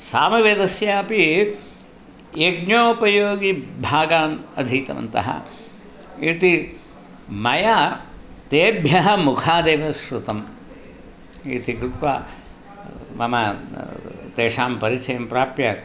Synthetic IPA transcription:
saːmɐʋeːd̪ɐsjaːpi | jeɡ̚ɳjoːpɐjoːɡibʱaːɡaːnɐd̪ʱiːt̪ɐ̰mɐ̰nt̪ɐ̰ɦɐ̰ | it̪i | mɐjaːt̪eːbʱjɐɦɐmukʰaːd̪eːʋɐsɾut̪ɐm | ḭːt̪ikɾut̪ʋa̰ː | mɐmɐ | t̪eːʂaːmpɐɾit͡ʃɐjɐmpɾaːpjɐ

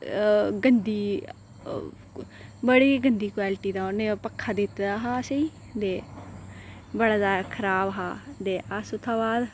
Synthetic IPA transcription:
ɡənd̪iː | bəɽiːɡənd̪iːkwaːlɪʈiːd̪aːoneːpəkʰːaːd̪ɪt̪d̪aːɦaːsəiː | d̪eː | bəɽaːd̪aːkʰəɾaːbɦaːd̪eːasʊt̪ʰːaːbaːd̪

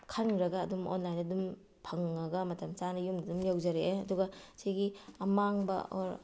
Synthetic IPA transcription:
kʰɐnɾɐɡɐːdumo̰nlajnɐdum | pʰɐŋːɐɡɐmɐtɐmt͡ʃanɐjumdɐdumjawzɐɾeɐduɡɐsiɡiɐmaŋbɐ̰oɾ

